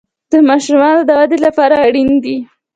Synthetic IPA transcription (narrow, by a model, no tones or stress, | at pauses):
d̪̥əmɑʃumɑnod̪əwad̪elapɑɾaːɽind̪i